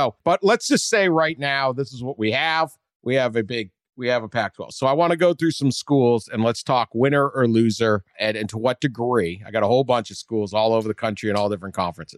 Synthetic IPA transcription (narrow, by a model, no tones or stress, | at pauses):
oʊb̥ʌtˡlətsd̥ʒ̥ʌstseɪɹaɪtⁿnaʊðɪsəzwʌt̚wiɨv | wiɨvɨbɪɡ̚ | wiɨvəpʰæk̚tʰwɛ̰lˠsoʊaɪwɑ̃ɾ̃ɨɡoʊθɹʉsʌ̃mskulˠzɨ̃nlətstʰɔkwɪ̃ɾ̃ə˞ə˞lʉzə˞ɨ̃nɪ̃ntʰuwʌt̚d̥ɨɡɹiaɪɡɑɾəhoʊlˠbʌ̃nt͡ʃʌv̥skulˠzɔlˠoʊvə˞ðɨkʰʌ̃nt͡ʃɹ̥iɨ̃ñɔlˠdɪfɹə̃nkʰɑ̰̃ɱfɹɨ̃nsɨz̥